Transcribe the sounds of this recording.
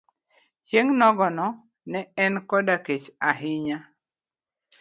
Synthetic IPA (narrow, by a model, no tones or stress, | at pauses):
t͡ʃeŋnɔɡɔnɔ | nɛɛnkɔdaket͡ʃaɦɪɲa